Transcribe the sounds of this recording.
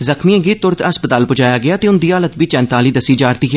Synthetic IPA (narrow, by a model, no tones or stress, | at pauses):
zəkmiãːɡiːt̪ʊɾt̪ʰəspət̪aːlpʊd͡ʒaːjaːɡɪaːt̪eːʊnd̪iːaːlət̪biːt͡ʃɛ̃ːnt̪aːliːd̪əsiːd͡ʒaːɾt̪iːɦ